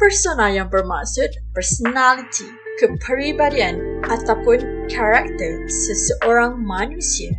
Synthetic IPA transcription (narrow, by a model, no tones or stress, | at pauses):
pərsonaljaŋbərma̰ʔksut̪̚pərsonalit̪ʰi | kəpʰəɾibadiãnʔat̪awpʊnkʰaɾak̚t̪ərsəsəʔoɾaŋmãnũsiə